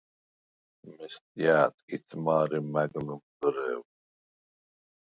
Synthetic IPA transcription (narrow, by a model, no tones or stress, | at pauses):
mɛst̪ʼjaːt̪ʰʼkʼit͡sʰʼmaːɾimæɡlumd̪əɾɛw